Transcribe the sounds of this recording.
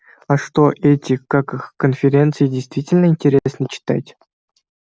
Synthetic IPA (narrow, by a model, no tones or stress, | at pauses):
aʂt̪oʔɛtʲikakɨxkonfʲeɾʲent̪sɨjidʲejst̪vʲitʲɪlʲnəinʲtʲeɾʲesnət͡ɕɪ̥t̪a̰tʲ